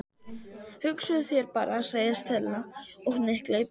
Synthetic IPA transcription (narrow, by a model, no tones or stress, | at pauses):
hʏksʏðʏθjɛɾpa̰ːɾʔasaːjast̪ʰɛlnaɔɣnɪhkleːj